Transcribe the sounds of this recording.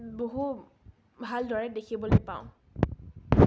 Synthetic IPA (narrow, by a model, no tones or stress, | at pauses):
boɦu | bʱaldʱɔɹɛdekʰibɔlojpãʊ̃